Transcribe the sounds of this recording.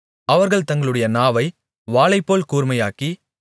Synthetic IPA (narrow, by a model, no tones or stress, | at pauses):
ɐʋɐɾɣɐɭt̪ɐŋɡɐɭɯɽɐjɐnaːʋɐɪ | ʋaːɭɐɪpːoːlkuːɾmɐjaːki